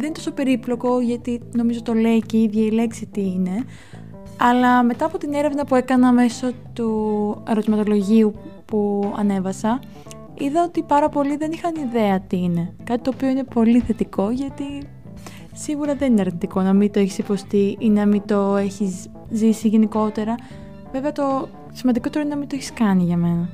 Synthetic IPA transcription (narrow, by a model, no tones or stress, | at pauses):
ðenint̪o̞sope̞ɾiplo̞ko̞ʝɐt̪ino̞mizot̪ole̞iceiðʝɐile̞ksit̪iine̞ | ɐlɐme̞t̪ɐːpo̞t̪ine̞ɾe̞vnɐpue̞kɐnɐme̞sot̪ue̞ɾo̞t̪imɐt̪olo̞ʝiupuɐ̰ne̞vɐsɐ | iðɐot̪ipɐɾɐpo̞liðe̞nixɐniðe̞ɐt̪iine̞kɐt̪i̥t̪o̞ːpio̞ine̞po̞liθe̞t̪iko̞ʝɐt̪i | siɣuɾɐðenineɐɾnit̪iko̞nɐmit̪o̞eçi̥sipo̞st̪iinɐmit̪o̞e̞çis | zisiʝe̞niko̞t̪e̞ɾɐ | ve̞veɐt̪o̞ | simɐnd̪ikot̪eɾinnɐmint̪oeçi̥skɐniʝɐme̞nɐ